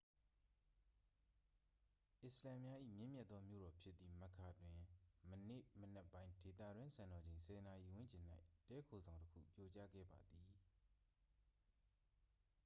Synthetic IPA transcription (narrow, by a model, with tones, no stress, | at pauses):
ʔɪ˨səlã˨mja˦ʔḭ˦˨mjɪ̃˦˨mjɛ˦t̪ːɔ˦mjo̰˦˨ɾɔ˨pʰjɪ˦t̪ːi˨mə˨kʰa˨dwɪ̃˨mənḛ˦˨mənɛ˦pːã˦ɪ̃de˨t̪ä̰˦˨dwɪ̃˦sʰã˨nɔ˨d͡ʑẽ˨ɪ̃sʰɛ˨na˨ʔi˨wʊ̃˦˨ɲt͡ɕɪ̃˨n̥a˦ɪtɛ˦kʰo˨zã˨ʊ̃ntəkʰṵ˦˨pjɔ˦t͡ɕa̰˦ɡɛ̰˦˨ba˨d̪ði˨